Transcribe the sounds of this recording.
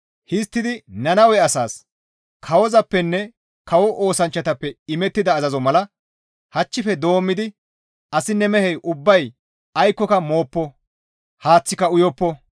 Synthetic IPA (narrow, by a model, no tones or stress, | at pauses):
hɪst̪ːɪd̪ɪnɐnɐwɛɐsaːs | kʰɐwɔzɐpːɛnːɛ | kɐwɔʔo̞ːsɐnt͡ʃːɐt̪ɐpːɛɪmɛt̪ːɪd̪ɐːzɐzɔmɐlɐ | hɐt͡ʃːɪfɛd̪o̞ːmːɪd̪ɪ | ʔɐsɪnːɛmɛhɛjʔʊbːɐj | ɐjkːɔkɐmo̞ːpːɔ | haːt͡sːɪkɐʊjɔpːɔ